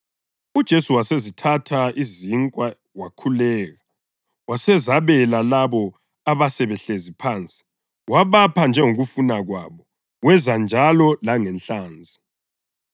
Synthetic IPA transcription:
ud̥ʒ̥ʱesuwasezitʰatʰaiziŋkʼwa | wakʰulɛːɣa | wasɛzaβɛlalaβɔ | aβasɛβɛɬezipʰaːnt͡sʼi̥ | waβapʰand͡ʒʱɛŋoɣufunaɣwa̰βɔ | wɛzand͡ʒʱalɔlaŋɛnɬaːnd͡zʱi

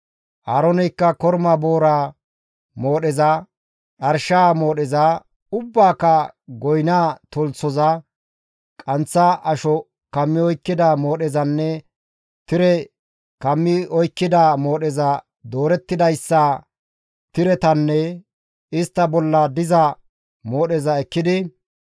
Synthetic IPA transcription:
ʔaːɾɔnɛjkːɐkɔɾmɐbo̞ːɾaː | mo̞ːɗɛzɐ | ᶑɐɾʃaːmo̞ːɗɛzɐ | ʊbːaːkːɐɡɔjnaːt̪ɔlt͡sːɔzɐ | kʼɐnt͡sːɐʔɐʃɔ | kɐmːɪɔjkːɪd̪ɐmo̞ːɗɛzɐnːɛ | t̪ɪɾɛ | kɐmːɪɔjkːɪd̪ɐmo̞ːɗɛzɐ | d̪o̞ːɾɛt̪ːɪd̪ɐjsːɐ | t̪ɪɾɛt̪ɐnːɛ | ɪst̪ːɐbɔlːɐd̪ɪzɐ | mo̞ːɗɛzɐɛkːɪd̪ɪ

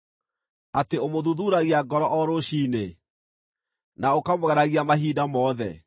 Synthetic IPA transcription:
ateomoðuðuːɾaɣiaɡɔɾɔʔɔɾoɕiːne | naokamoɣɛɾaɣiamaɦiːdamɔðɛ

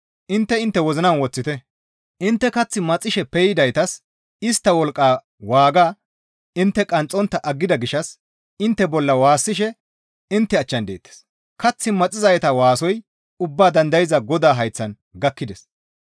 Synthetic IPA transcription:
ʔɪnt̪ːɛɪnt̪ːɛwɔzɪnɐnwɔt͡sːɪt̪ɛ | ʔɪnt̪ːɛkɐt͡sːɪmɐt͡sʼːɪʃɛpɛjɪd̪ɐjt̪ɐs | ɪst̪ːɐwɔlkʼːaː | waːɡaː | ɪnt̪ːɛkʼɐnt͡sʼːɔnt̪ːɐʔɐɡːɪd̪ɐɡɪʃɐs | ɪnt̪ːɛbɔlːɐwaːsːɪʃ̬ɛ | ɪnt̪ːɛɐt͡ʃːɐnd̪ḛːt̪ːɛ̥s | kɐt͡sːɪmɐt͡sʼːɪzɐjɛt̪ɐwaːsɔj | ʊbːaːd̪ɐnd̪ɐjɪzɐɡɔd̪aːɦɐjt͡sːɐn | ɡɐkːɪd̪ɛs

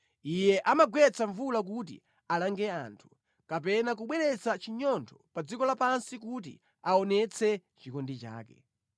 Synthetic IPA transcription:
ijɛʔamaɡwɛt͡saɱvulak̬ut̬ḭ | alaŋɡɛa̰ntʰu̥ | kapɛnak̬uɓwɛɾɛt͡sat͡ʃiɲɔntʰɔ̥pad͡zikɔlapansikut̬ḭ | aɔnɛt͡sʰɛt͡ʃikɔndit͡ʃa̰ːkɛ̰

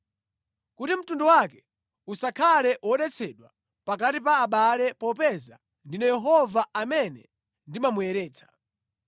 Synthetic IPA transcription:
kutim̩tundɔwakɛ̥ | usakʰalɛʔwɔɗɛt͡sʰɛɗwa | pakatipaːɓalɛpɔpɛza̰ | ndinɛjɛɦɔvaamɛnɛ | ndimamujɛɾɛːt͡sʰḁ

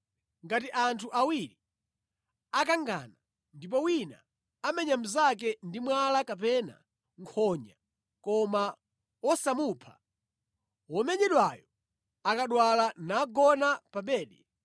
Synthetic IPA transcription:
ŋɡatiʔantʰuʔawiɾi | akaŋɡa̰na | ndip̬ɔwina̰ | amɛɲam̩zak̬ɛndimwalakap̬ɛna̰ | ŋkʰɔɲa | kɔma | wɔsamupʰḁ̰ | wɔmɛɲɛɗwajɔ | akaɗwalanaɡɔnapaɓɛːɗɛ

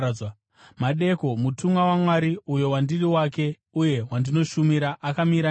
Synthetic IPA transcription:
maɗe̞ko̞mutumwawamwaɾiujo̞wandiriwake̞ | uje̞wandino̞ʃumiɾaʔakamiɾa

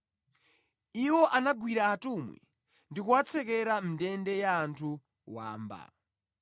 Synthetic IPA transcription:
iwɔʔanaɡwiɾaːtumwḭ | ndikuwat͡sʰɛkɛɾamidɛndɛjaːntʰu | wa̰ːmba̰

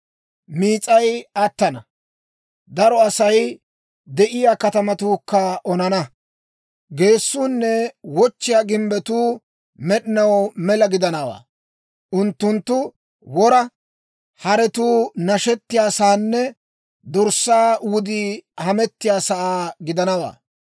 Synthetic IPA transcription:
miːt͡sʼɐjɐt̪ːɐnɐ | d̪ɐɾɔɐsɐj | d̪ɛʔɪjaːkɐt̪ɐmɐt̪uːkːɐʔɔnɐnɐ | ɡe̞ːsːuːnːɛwɔt͡ʃːɪjaːɡɪmbɛt̪uː | mɛɗɪnɐwmɛlɐɡɪd̪ɐnɐwa̰ː | ʔʊnt̪ːʊnt̪ːʊ | wɔɾɐ | hɐɾɛt̪uːnɐʃɛt̪ːɪjaːsaːnːɛ | d̪ɔɾsːaːwʊd̪iːhɐmɛt̪ːɪjaːsɐʔaːɡɪd̪ɐnɐwa̰ː

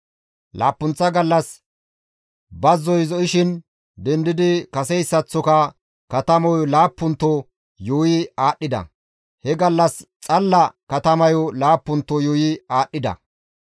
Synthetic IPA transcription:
la̰ːpːʊnt͡sːɐɡɐlːɐs | bɐzːɔjzɔʔɪʃɪn | d̪ɛnd̪ɪd̪ɪkɐsɛjsːɐt͡sːɔkɐ | kɐt̪ɐmɔjɔlaːpːʊnt̪ːɔ | juːjɪaːɗːɪd̪ɐ̰ | hɛɡɐlːɐst͡sʼɐlːɐkɐt̪ɐmɐjɔlaːpːʊnt̪ːɔjoːjɪaːɗːɪd̪ɐ̰

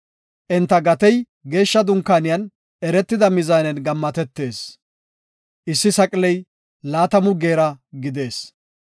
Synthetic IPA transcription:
ʔɛnt̪ːɐɡɐt̪ɛj | ɡe̞ːʃːɐd̪ʊŋkːaːnɪjɐn | ɛɾɛt̪ːɪd̪ɐmɪzaːnɛnɡɐmːɐt̪ɛt̪ːe̞ːs | ʔɪsːɪsɐkʼlɛj | laːt̪ɐmʊɡːe̞ːɾɐɡɪd̪e̞ːs

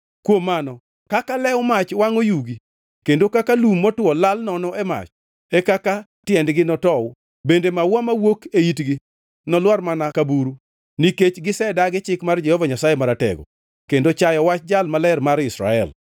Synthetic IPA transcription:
kwomːanɔ | kakalɛwʊmat͡ʃwaŋojuɡi | kendokakalumːɔtwɔlalnɔnɔɛma̰t͡ʃ | ekaka | tjɛndɡɪnɔtɔwʊ | bendemawamawokeitɡi | nɔlwarmanakabuɾu | niket͡ʃɡɪsɛdaɡɪt͡ʃɪkmard͡ʒɛhɔvaɲasajemaɾatɛ̰ɡɔ̰ | kendot͡ʃajɔwat͡ʃd͡ʒalmalɛrmaɾɪsɾa̰ɛ̰l

